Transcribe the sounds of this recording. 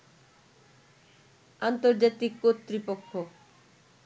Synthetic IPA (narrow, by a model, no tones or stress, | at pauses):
ant̪oɾd͡ʑat̪ikːot̪ːɾipokʰːo